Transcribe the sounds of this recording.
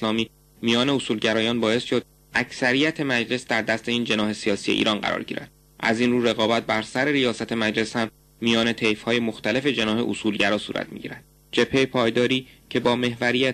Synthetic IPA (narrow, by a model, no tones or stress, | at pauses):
lɒːmiː | mijɒːne̞osuːlɟæɾɒːjɒːnbɒːe̞sʃo̞d̪̚ | ʔæcʰsæɾijæt̪ʰe̞mæd͡ʒle̞sd̪æɾd̪æst̪e̞iːnd͡ʒe̞nɒːɦe̞sijɒːsije̞ʔḭːɾʔɒːnɢæ̰ɾɒ̰ːɾɟḭːɾæ̰d̪̥ | ʔæ̰zinruːɾe̞ɣɒːbæt̪̚bæɾsæɾe̞ɾijɒːsæt̪ʰe̞mæd͡ʒle̞shæmː | ijɒːne̞t̪ʰejfhɒːje̞moxt̪æle̞fe̞d͡ʒe̞nɒːɦe̞ʔosuːlɟæɾɒːsṵːɾæ̰t̪̚ʰmḭɟḭːɾæd̪̥̚ | d͡ʒe̞pʰːe̞jpʰɒːjd̪ɒːɾiːcʰe̞bɒːme̞hvæɾijæ